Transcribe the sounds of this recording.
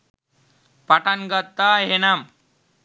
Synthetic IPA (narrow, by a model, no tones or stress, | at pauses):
paʈanɡət̪ːaɦenam